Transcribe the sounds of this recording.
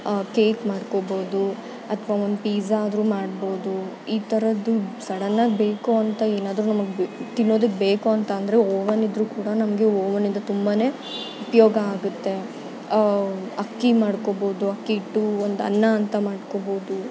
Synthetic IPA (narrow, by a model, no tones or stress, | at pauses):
keːkmaːɽko̞boːd̪u | ɐt̪ʰɐʋaːond̪upiːzaːd̪ɾuːmaːɽbo̞ːd̪u | iːt̪ɐɾɐd̪ːusɐɽɐnːaːɡ̚be̞ːkuɐnt̪ɐe̞ːnaːd̪ɾunɐmɐɡet̪inːo̞ːd̪ɐk̬ːebe̞ːkuɐnt̪ɐːnd̪ɐɾe̞oːʋɐnid̪ɾuːkuːɽɐnɐmɐɡe̞oːʋɐnind̪ɐt̪umbaːne̞ː | upɐjoːɡɐaːɡut̪ːe̞ | ɐkːimaːɽko̞bo̞ːd̪uɐkːiːʈːuond̪ɐ̰nːɐːnt̪ɐmaːɽko̞bo̞ːd̪u